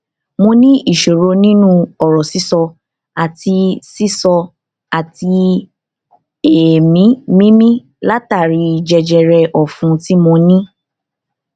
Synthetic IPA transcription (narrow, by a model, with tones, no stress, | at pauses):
mõ˧nĩ˦i˦˨ʃo˨ɾo˧nĩ˦nũ˦ɔ˨ɾɔ˨si˨˦sɔ˧ | a˨ti˧si˦sɔ˧ | a˨ti˧ | e˨mĩ˨˦mĩ˦mĩ˦ | la˦ta˦˨ɾi˧˦i˨d͡ʒɛ˧d͡ʒɛ˧ɾɛ˧ʔɔ˨fũ˧˦ti˦mo˧nĩ˦